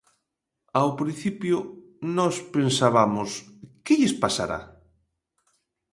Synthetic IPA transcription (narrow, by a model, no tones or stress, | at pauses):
awpɾĩnθipjʊ | nɔspensaβamʊskɪʎɪspasa̰ɾa̰